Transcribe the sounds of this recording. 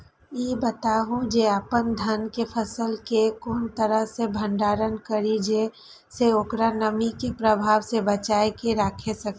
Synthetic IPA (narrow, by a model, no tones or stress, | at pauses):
jibət̪aːɦũd͡ʒeaːpənd̪ʱənkepʰəsəlkekoːnt̪əɾəɦsebʱə̃ɳɖaːɾənkəɾid͡ʒe | seoːkɾanəmikepɾəbʱaːwsebət͡ʃaːekeɾaːkʰesək